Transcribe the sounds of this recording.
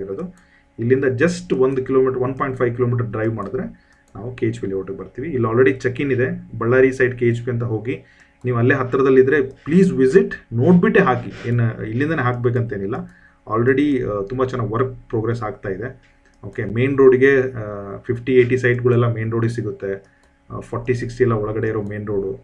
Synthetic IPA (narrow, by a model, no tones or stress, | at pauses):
iɾoːd̪u | ilːind̪ɐd͡ʒɐsʈond̪ukiloːmiːʈɐɾʋɐnpaːjɳʈpʰɐjʋkilomiːʈ̬ɐɾɖɾɐjʋmaːɽud̪ɾe | naːʋukeːt͡ʃpilioʈɡebɐɾt̪iːʋiːlːaːlɾeɽit͡ʃɐkːinid̪e̞bɐɭːaːɾisɐjɖkeːt͡ʃpiɐnt̪̬ɐɦo̞ːɡi | niːʋuɐlːeɦɐt̪ːɾɐd̪ɐlːid̪ɾe̞pliːsʋiziʈno̞ːɽbiʈːeɦaːkieːnilːind̪ɐneɦaːk̚beːk̬ɐnt̪ɐeːnilːɐ | a̰ːlɾeɽit̪umbɐt͡ʃɛnːɐʋɐɾk̚pɾoːɡɾesaːɡ̚t̪aːjid̪e̞ | oːke̞me̞ːnɾoːɖiɡe̞pʰipʰʈieːʈisɐjʈɡɐɭɛlːɐmeːnɾoːɖiɡsiɡut̪ːe̞ | pʰɔːɾʈːisiksʈiɛlːɐɔɭɐɡɐɽe̞iɾoːme̞ːnɾoːɖu